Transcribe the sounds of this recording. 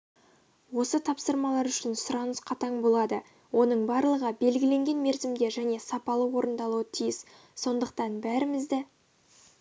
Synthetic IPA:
wo̞sət̪ʰɑpsəɾmɑlˠɑɾʏʃɪnsʊɾɑnəsqʰɑt̪ɑɴbo̞lˠɑd̪ə | wʔo̞nəɴbɑɾlˠəʁəbe̞lɡʲɪle̞ŋɡʲe̞nme̞ɾzɪmd̪e̞ʒæne̞sɑpɑlˠəwo̞ɾənd̪ɑlˠuət̪ʰijɪs | so̞nd̪əq̚t̪ɑnbæɾɪmɪzd̪ɪ

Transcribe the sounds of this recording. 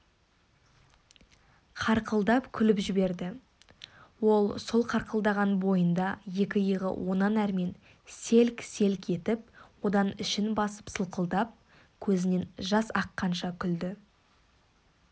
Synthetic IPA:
qʰɑɾqəlˠd̪ɑpkʲʰʏlɪpʒɪbe̞ɾd̪ɪ | wo̞lˠsolˠqʰɑɾqəlˠd̪ɑʁɑnbo̞jənd̪ɑje̞kʲɪjəʁə̰wʔo̞nɑnæɾme̞n | se̞lkse̞lke̞t̪ɪp̚wo̞d̪ɑnɪʃɪnbɑsə̥psəlˠqəlˠd̪ɑp̚ | kʲʰɵzɪne̞nʒɑsɑqːɑnʃɑkʲʰʏld̪ɪ

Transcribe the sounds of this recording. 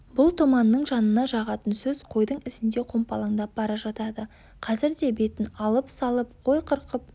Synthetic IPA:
bʊlˠt̪ʰomɑnːəɴʒɑnənɑʒɑʁɑt̪ənsɵzqʰo̞jd̪əɴɪzɪnd̪e̞qʰo̞mpɑlˠɑɴd̪ɑp̚bɑɾɑʒɑt̪ɑd̪ə | qʰɑzɪɾd̪e̞be̞t̪ɪnɑlˠəpsɑlˠəp̚qʰo̞jqʰəɾqəp̚

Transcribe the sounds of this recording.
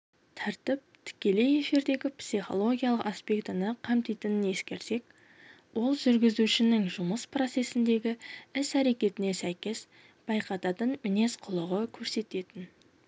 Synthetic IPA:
t̪ʰɑɾt̪ɪp̚t̪ʰɪ̥kʲe̞le̞je̞fiɾd̪e̞ɡʲɪpsiχo̞̰lˠo̞ɡʲijalˠəqaspʲe̞kt̪ənəqʰɑmt̪ijt̪ɪnəne̞skʲe̞ɾse̞k | wo̞lˠʒʏɾɡʲɪzuʃɪnɪŋʒʊməspro̞t̪se̞sɪnd̪e̞ɡʲɪɪsæɾe̞kʲe̞t̪ɪne̞sæjkʲe̞s | b̥ɑjqɑt̪ɑt̪ənmɪne̞sqʰʊlˠəʁəkʲʰɵɾse̞t̪e̞t̪ɪn

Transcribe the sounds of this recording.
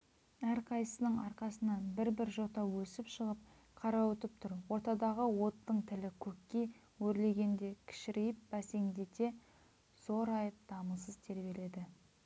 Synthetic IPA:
æɾqʰɑjsə̥sənəɴɑɾqɑsənɑnbɪɾbɪɾʒo̞t̪ɑwɵsɪpʃəʁəp̚ | qʰɑɾɑwɵt̪əp̚t̪ʰʊɾwo̞ɾt̪ɑd̪ɑʁəwo̞t̪ːəɴt̪ʰɪlɪkʲʰɵkʲːe̞ | wɵɾle̞ɡʲe̞nd̪e̞kʲʰɪ̥ʃɪɾejɪp̚bæse̞ŋd̪e̞t̪e̞ | soɾɑjəp̚d̪̥ɑməsəzt̪ʰe̞ɾbe̞le̞d̪ɪ

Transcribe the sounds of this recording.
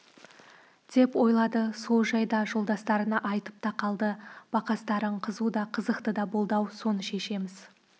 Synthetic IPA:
d̪̥e̞pwo̞jlˠɑd̪əso̞lˠʒɑjd̪ɑʒo̞lˠd̪ɑst̪ɑɾənɑʔɑjt̪ə̥p̚t̪ʰɑqʰɑlˠd̪əb̥ɑqɑst̪ɑɾəɴqʰəzud̪ɑqʰəzəqt̪əd̪ɑbo̞lˠd̪ɑwso̞nəʃe̞ʃe̞mɪz

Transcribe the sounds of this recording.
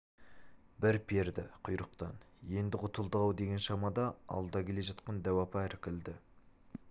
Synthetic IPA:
bɪɾpʰe̞ɾd̪ɪqʰʊjɾəqt̪ɑn | je̞nd̪ɪʊt̪əlˠd̪əʁɑwd̪e̞ɡʲenʃɑmɑd̪ɑɑ̰lˠd̪ɑkʲʰe̞le̞ʒɑt̪qɑnd̪æwɑpɑɾɪkʲɪld̪ɪ

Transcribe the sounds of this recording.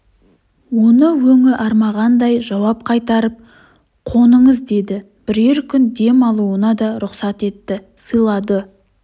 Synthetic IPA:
wo̞nəwɵŋɪʔɑɾmɑʁɑnd̪ɑjʒɑwɑp̚qʰɑjt̪ɑɾəp̚ | qʰo̞nəɴəzd̪e̞d̪ɪ | b̥ɪɾe̞ɾkʲʰʏnd̪e̞mɑlˠuənɑd̪ɑɾʊqsɑt̪e̞t̪ːɪ | səjlˠɑd̪ə

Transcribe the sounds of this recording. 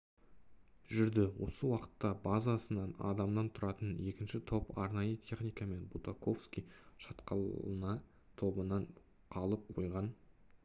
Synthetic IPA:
ʒʏɾd̪ɪwo̞səwɑqə̥t̪ːɑbazasənɑnɑ̰d̪ɑmd̪ɑnt̪ʰʊɾɑt̪əne̞kʲɪnʃɪt̪ʰo̞pɑɾnɑjət̪ʲʰe̞χnijkɑme̞nbut̪ako̞fskʲijʃɑt̪qɑlənɑ | t̪ʰo̞bənɑn | qʰɑlˠəp̚qʰo̞jʁɑn

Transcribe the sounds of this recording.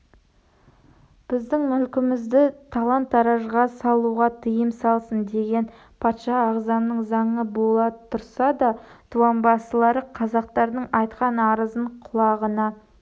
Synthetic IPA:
b̥ɪzd̪ɪŋmʏlkʲɪmɪzd̪ɪt̪ʰɑlˠɑnt̪ɑɾɑʒʁɑsɑlˠuʁɑt̪ʰəjəmsɑlˠsənd̪e̞ɡʲe̞n | pʰɑt̪ʃɑːʁzɑnnəɴzɑɴəbo̞lˠɑt̪ʰʊɾsɑd̪ɑt̪ʰuɑnbɑsəlˠɑɾəqʰɑzɑq̚t̪ɑɾd̪əɴɑjt̪qɑnɑɾəzəɴqʰʊlˠɑʁənɑ

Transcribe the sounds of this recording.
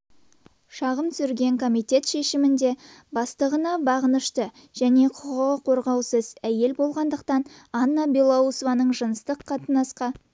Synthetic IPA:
ʃɑʁəmt̪sʏɾɡʲe̞ŋkʰo̞mijt̪e̞t̪ʃe̞ʃɪmɪnd̪e̞bɑst̪əʁənɑbɑʁənəʃt̪ə | ʒ̥æne̞qʰʊ̥qəʁəqʰo̞ɾʁɑwsəzæje̞lbo̞lˠʁɑnd̪əqt̪ɑnɑnːabilˠɑusvɑnəɴʒənəst̪əqʰːɑt̪ənɑsqɑ

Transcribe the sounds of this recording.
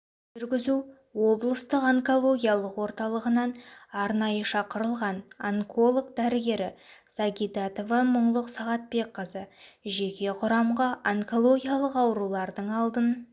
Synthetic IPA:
ʒʏɾɡʲɪzu | wo̞blˠəst̪əqaŋko̞lˠo̞ɡʲijalˠəqwo̞ɾt̪ɑlˠəʁənɑnɑɾnɑjəʃɑqəɾəlˠʁɑnaŋkʰolˠokd̪æɾɪɡʲe̞ɾɪsaɡʲid̪at̪ovɑməɴlˠəqsɑʁɑt̪̚be̞k̚qəzəʒe̞kʲe̞qʰʊɾɑmʁɑʔaŋko̞lˠo̞ɡʲijalˠəqɑwɾulˠɑɾd̪əɴɑlˠd̪ən

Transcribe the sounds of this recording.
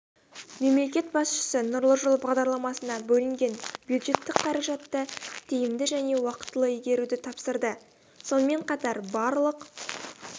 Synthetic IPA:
me̞mle̞kʲe̞t̪bɑsʃə̥sənʊɾlˠəʒʊlˠbɑʁd̪ɑɾlˠɑmɑsənɑbɵlɪŋɡʲe̞nbjud̪ʒe̞t̪ːɪkqʰɑɾɑʒɑt̪ːət̪ʰejɪmd̪ɪʒæne̞wɑqə̥t̪ːəlˠəijɡʲe̞ɾud̪ɪt̪ʰɑpsəɾd̪ə | so̞nəme̞ɴqʰɑt̪ɑɾbɑɾlˠəq

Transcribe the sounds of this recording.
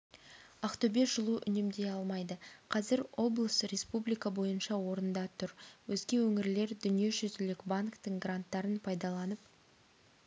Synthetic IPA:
ɑqt̪ɵbe̞ʒ̥əlˠuʔʏ̰nemd̪e̞jɑlˠmɑjd̪əqʰɑzɪɾwo̞blˠəsɾe̞spublijkɑbo̞jənʃɑwo̞ɾənd̪ɑt̪ʰʊɾwɵzɡʲe̞wɵŋɪɾle̞ɾd̪ʏnije̞ʒʏzɪlɪkbaŋkt̪əɴɡrant̪ːɑɾənpʰɑjd̪ɑlˠɑnəp̚

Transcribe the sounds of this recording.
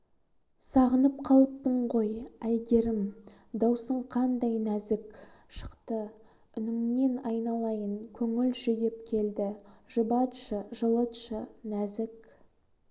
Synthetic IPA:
sɑʁənəp̚qʰɑlˠəp̚ːəɴʁo̞jæj̪d̪ʲe̞ɾɪmd̪ɑwsəɴqʰɑnd̪ɑjnæzɪkʃə̥qt̪ə | ʏnɪŋne̞nɑjnɑlˠɑjəɴkʲʰɵŋɪlʒʏjep̚kʲʰe̞ld̪ɪʒ̥əbɑt̪ʃəʒəlˠət̪ʃənæzɪk

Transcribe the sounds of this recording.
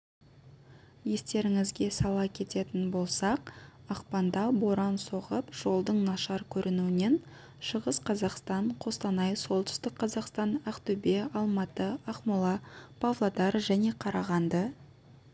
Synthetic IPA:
je̞st̪e̞ɾɪŋɪzɡʲe̞sɑlˠɑkʲʰe̞t̪e̞t̪ɪnbo̞lˠsɑq̚ɑqpɑnd̪ɑboɾɑnso̞ʁəpʒ̥o̞lˠd̪əɴnɑʃɑɾkʲʰɵɾʔɪnuɪne̞n | ʃəʁəsqʰɑzɑqst̪ɑɴqʰo̞st̪ɑnɑjso̞lˠt̪ʏ̥st̪ɪk̚qʰɑzɑqst̪ɑnɑqt̪ubeɑlˠmɑt̪əɑχmʊlˠɑpʰɑvlˠad̪ɑɾʒæne̞qʰɑɾɑʁɑnd̪ə

